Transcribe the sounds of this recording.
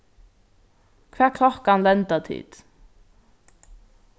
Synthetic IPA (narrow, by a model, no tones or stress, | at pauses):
kʰʋæːkʰlɔkanlɛnt̪at̪ʰḭːd̪̥